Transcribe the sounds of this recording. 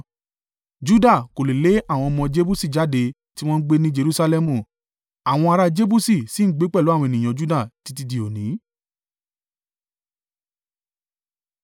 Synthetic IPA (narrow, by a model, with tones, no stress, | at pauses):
d͡ʒu˦da˦˨ko˨le˨le˨˦a˦˨w̃ɔ̃˧mɔ̃˧d͡ʒe˦bu˦si˦˨d͡ʒa˨˦de˧ | ti˦w̃ɔ̃˦n̩˦ɡ͡be˦nĩ˦d͡ʒe˧ɾu˦sa˧lɛ˦mũ˨ | a˨w̃ɔ̃˧a˧ɾa˧d͡ʒe˦bu˦si˦˨si˦n̩˦ɡ͡be˦k͡pɛ˦˨o˨˦a˦˨wɔ̃˧e˨nĩ˨j̃ã˨d͡ʒu˦da˦˨ti˨˧ti˧di˧˨o˨nĩ˨˦